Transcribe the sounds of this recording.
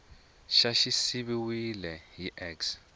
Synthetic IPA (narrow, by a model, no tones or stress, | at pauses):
ʃaʃisiβiwilɛɦiʔɛks